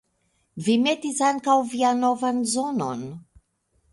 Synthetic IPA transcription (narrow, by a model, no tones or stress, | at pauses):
vimetisaŋkawvianovanzono̰n